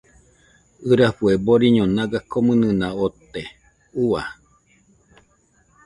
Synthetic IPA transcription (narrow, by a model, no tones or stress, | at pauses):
ɨɾaɸueboɾiɲõnaɡakomɨ̃nɨ̃naot̪e | ua̰